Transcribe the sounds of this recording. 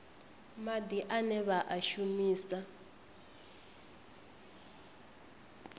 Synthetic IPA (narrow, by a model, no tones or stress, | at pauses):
mad̪iʔanɛβaʔaʃumiːsa